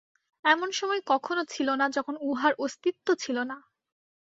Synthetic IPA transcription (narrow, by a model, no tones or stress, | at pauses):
ɛmonʃɔmɔekɔkʰonot͡ɕʰilonad͡ʑɔkʰonuɦaɾʔost̪it̪ːot͡ɕʰilona